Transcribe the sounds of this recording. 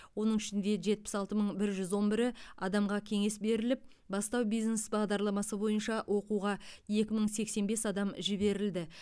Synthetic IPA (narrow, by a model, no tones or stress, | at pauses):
wo̞nəɴʏʃɪnd̪e̞ʒe̞t̪̚pɪ̥sɑlˠt̪əməɴbɪɾʒʏzwo̞nbɪɾɪɑd̪ɑmʁɑkʲʰe̞ŋe̞sbe̞ɾɪlɪp̚ | bɑst̪ɑwbijzne̞sbɑʁd̪ɑɾlˠɑmɑsəbo̞jənʃɑwʔo̞quʁɑje̞kʲɪməɴse̞kse̞nbe̞sɑd̪ɑmʒɪβe̞ɾɪld̪ɪ